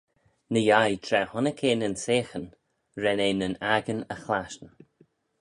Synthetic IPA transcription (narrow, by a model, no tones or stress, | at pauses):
nəjajt̪ʰɾɛhɔnəkʰeːnənseːxən | ɾɛneːnənaɡənəxlaʃn